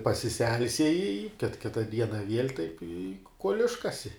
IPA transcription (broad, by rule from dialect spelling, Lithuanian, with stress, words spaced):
pɐsʲɪˈsʲɛlʲsʲiɛjɪ ɪ kʲɪt ˈkʲɪtɐ ˈdʲiɛnɐ ʋʲiɛlʲ tɐɪp ɪ kuɔlʲ ˈɪʃkɐsʲɪ